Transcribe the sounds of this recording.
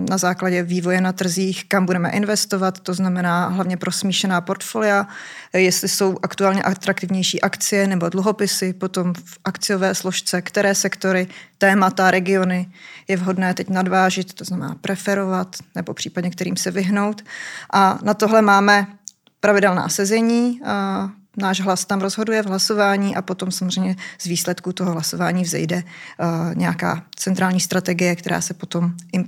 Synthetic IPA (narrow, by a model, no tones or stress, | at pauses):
nazaːklaɟɛviːvo̞jɛnat̪r̩ziːxkambudɛmɛ̰ʔɪnvɛst̪o̞vat̪ːo̞znamɛnaːɦlavɲɛpɾosmiːʃɛnaːpo̞ɾt̪folɪajɛst̪lɪso̞wʔakt̪uaːlɲɛʔat̪ɾak̚t̪ɪvɲɛjʃiːʔakt͡sɪjɛnɛbo̞dluɦo̞pɪsɪpo̞t̪o̞mfʔakt͡sɪjovɛːsloʃt͡sɛkt̪ɛɾɛːsɛkt̪o̞ɾɪt̪ɛːmat̪aɾɛɡɪo̞nɪjɛvɦo̞dnɛːt̪ɛcnadvaːʒɪt̪ːoznamɛna̰ːpɾɛfɛɾo̞vat̪nɛbopr̥iːpaɟɲɛk̚t̪ɛɾiːmsɛvɪɦno̞wt̪ʔanat̪oɦlɛmaːmɛ | pɾavɪdɛlna̰ːsɛzɛɲiː | naːʒɦlast̪amɾozɦo̞dujɛvɦlaso̞vaːɲiːʔapot̪o̞msamozr̝ɛjmɲɛz̥viːslɛt̪kut̪oɦoɦlasovaːɲiːvzɛ̰jdɛ | ɲɛjaka̰ːt͡sɛnt̪ɾaːlɲiːst̪ɾat̪ɛɡɪjɛk̚t̪ɛɾa̰ːsɛpot̪o̞mʔɪ